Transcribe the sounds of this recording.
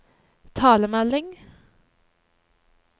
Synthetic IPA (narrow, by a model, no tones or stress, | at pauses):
t̪ʰɑːləmɛlɪŋ